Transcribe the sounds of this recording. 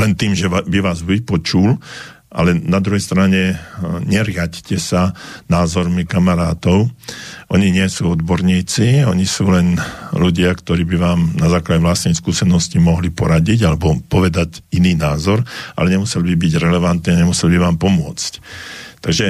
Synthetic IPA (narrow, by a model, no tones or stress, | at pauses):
lɛnt̪iːmʒɛbiʋaːzʋipɔt͡ʃul | ʔa̰lɛnad̪ɾuɦɛjst̪ɾaɲɛɲɛɾɪaɟcɛsanaːzɔɾmikamaɾaːt̪ɔʊʔɔɲiɲɪɛsuːɔd̪bɔɾɲiːt͡siɔɲisuːlɛnluɟɪakt̪ɔɾiːbiʋaːmnazaːklaɟɛʋlast̪nɛjskuːsɛnɔscimɔɦlipɔɾaɟiɟalɛbɔpɔʋɛd̪aɟiniːnaːzɔɾʔa̰lɛɲɛmusɛlbibiɟɾɛlɛʋant̪niːaɲɛmusɛlbiʋaːmpɔmʊɔt͡sct̪aɡʒɛ